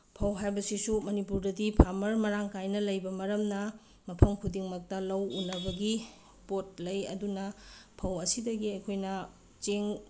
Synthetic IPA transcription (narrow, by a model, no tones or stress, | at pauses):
pʰɐwɦajbɐsisumɐnipuɾdɐdipʰamɐɾmɐɾaŋkajnɐlɐjbɐmɐɾɐmnɐ | mɐpʰɐmkʰudiŋmɐk̚tɐlɐwunːɐbɐɡi | pot̚lɐjɐ̰dunɐpʰɐwɐsidɐɡiɐjkʰojnɐ | t͡ʃeŋ